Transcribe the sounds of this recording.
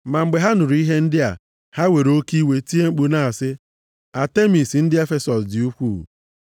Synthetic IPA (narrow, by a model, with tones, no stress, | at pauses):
ma˨ŋ͡m̩˨ɡ͡be˨ɦa˦nʊ˨ɾu˨˦i˦ɦe˦n̩˦dɪ˦a̰˨ | ha˦we˨ɾo˦ki˦we˨ti˦e˦ŋ͡m̩˦k͡pu˨na˦a˨sɪ˦ | a˨te˦mi˨sn̩˦dɪ˦e˦fe˦sɔ˨sdɪ˨u˦kʷṵː˦˨